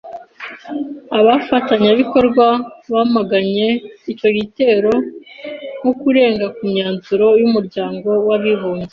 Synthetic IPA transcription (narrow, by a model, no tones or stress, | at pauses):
aβafataɲaβiko̞ɾɡwaβaːmaɡaɲe̞it͡ʃo̞ɡite̞ːɾo̞ | ŋokuɾe̞ːŋɡakumɲaːnzuɾo̞jumuɾɟaːŋɡo̞waβiβuːɲze